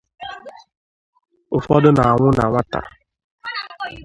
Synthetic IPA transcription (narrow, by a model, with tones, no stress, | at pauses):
ʊ˨fɔ˦dʊ˦na˨a˨ŋʷʊ˦na˨ŋʷa˦ta̰˨